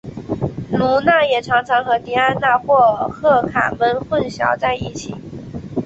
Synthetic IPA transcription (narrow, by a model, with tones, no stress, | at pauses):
lu˧˥na˥˩jɛ˨˩ʈ͡ʂʰɑ˧˥ŋʈ͡ʂʰɑ˧˥ŋxɤ˧˥t̪i˧˥a˥nna˥˧xwɔ˥˧xɤ˥˩kʰa̰˨˩mə˧˥nxwə˥˩nɕjɑ̰˧˥ʊt͡sa˥˧ɪi˥˩t͡ɕʰḭ˨˩˦